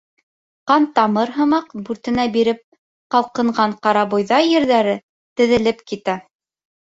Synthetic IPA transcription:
qɑnt̪ɑmɤɾɦɤ̆mɑqbʉɾt̪ɘ̆næbiɾɘp̚ | qɑlˠqɤ̆ɴɢɑɴqɑɾɑbŭjðɑjɘ̆ɾðæɾɘ | t̪ɘ̆ðɘ̆lɘpkit̪æ

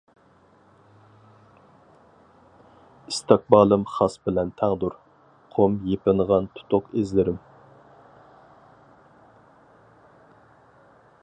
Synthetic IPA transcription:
ist̪ʰɑk̚bɑːlˠɨmχɑsbɪlɛnt̪ʰæŋd̪uɾ | qʰomjepɪnʁɑnt̪ʰu̥t̪ʰʊqezlɪɾɪm

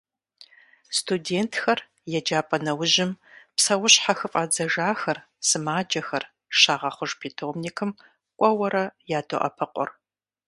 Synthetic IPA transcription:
stʰudeːntʰxɐr | jɛd͡ʒaːpʼɐnɐwʊʒɪmpsɐwʊɕħaxɨfʼaːd͡zɐʒaːxɐr | sɨmaːd͡ʒɐxɐr | ʃaːʁɐχʷʊʒpʰeːtʰoːmnikʰɨm | kʷʼɔwɐɾɐjaːdʰo̰ʔɐ̰pʰɐqʷʼɔ̰r

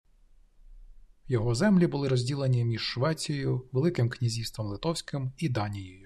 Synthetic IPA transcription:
wjɔɦɔzɛmlʲibʊlˠɪɾɔzʲdʲilˠenʲimʲiʒ̥ʃʋɛt͡sʲjjʊʋelˠɪkɪmknʲizʲist̪ʋɔmlˠɪt̪ɔwsʲkɪmid̪ɑnʲijɔjʊ

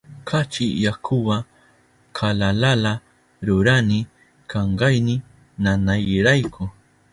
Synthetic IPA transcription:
kʰat͡ʃɪjakʰʊwa | kʰalalala | ɾʊɾanɪ | kʰaɴɢɑjnɪ | nanajɾajkʰʊ

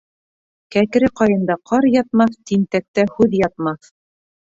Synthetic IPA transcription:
kækɘ̆ɾɘqɑjɤ̆nd̪ɑqʰɑɾjɑt̪̚mɑθt̪int̪æk̚t̪æhʉðjɑt̪̚mɑθ

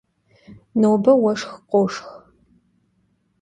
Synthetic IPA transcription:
nowbɐwɐʂxqʷʼoʂx

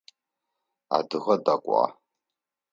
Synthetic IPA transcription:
a̰dɨʁɐdakʷʼɑ̰

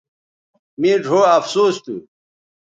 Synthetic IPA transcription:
mĩːɖʱoːɐfsuːst̪u

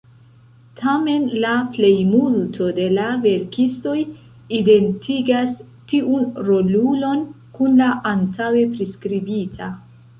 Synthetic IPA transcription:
tʰame̞nlaple̞jmultʰo̞de̞lave̞ɾkisto̞j | ide̞ntʰiɡas | tiʔunɾo̞lulo̞n | kunlaʔantawe̞pɾiskɾibitʰa

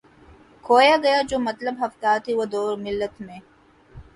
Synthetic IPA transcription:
kʰoːjaɡɐjad͡ʒoːmɐt̪ləbɦɐft̪aːt̪iwɐd̪oːɾmɪlːət̪mẽ

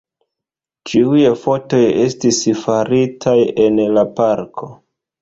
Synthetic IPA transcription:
t͡ʃiujefo̞to̞jestisfaɾitʰaje̞nlapaɾkʰo̞

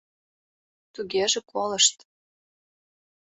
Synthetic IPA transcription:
t̪uɣeʒĕkolɤʃt̪

